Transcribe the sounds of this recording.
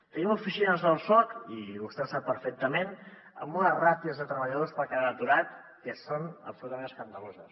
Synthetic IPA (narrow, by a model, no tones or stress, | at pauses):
t̪ənimufisinəzðəlˠsɔkiust̪ɛwsapəɾfɛk̚t̪əmen | ə̰mbunərat̪iəzðət̪ɾəβəʎəðospəlˠkeaət̪uɾat̪̚ | kəsonə̰psulut̪əmẽnəskənd̪əlozəs